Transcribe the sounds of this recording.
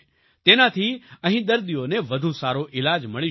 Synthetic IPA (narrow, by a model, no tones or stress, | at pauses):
t̪enat̪ʰiəɦĩd̪əɾd̪ioneʋəd̪ʱũsaɾoʔɪlad͡ʒməɭi